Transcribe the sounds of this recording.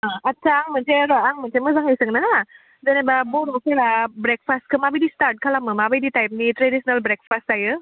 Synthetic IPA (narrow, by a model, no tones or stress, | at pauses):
aɐtːt͡ʃʰaːŋm̤ənt͡ʃeɾəaŋm̤ənseməzaŋəjsəŋnana | d͡zənẽbaboɾokeɾabɾek̚fast̚kʰəmabəd̪isʈaɾʈ̚kʰalaməmabəd̪itajp̚niʈɾedisnəlbɾek̚fastajə